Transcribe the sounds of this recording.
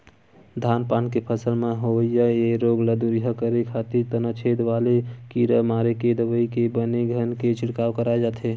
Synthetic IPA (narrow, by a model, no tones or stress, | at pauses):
d̪ʱanpankepʰəsəlmeɦoəijəeɾoɡləd̪uɾiɦəkəɾekʰat̪iɾt̪ənət͡ʃʰed̪ʋalekiɾəmaɾeked̪əʋəikebəneɡʱənket͡ʃiɽkawkəɾaed͡ʒat̪ʰɦe